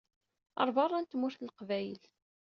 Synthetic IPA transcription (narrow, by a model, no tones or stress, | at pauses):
ɑ̰ɾˤvɑrˤːɑnt̪mʊɾθlqvæjəl